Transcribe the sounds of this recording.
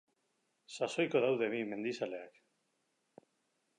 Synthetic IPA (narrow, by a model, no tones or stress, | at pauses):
saso̞jko̞ðawðe̞β̞ime̞nd̪isale̞ak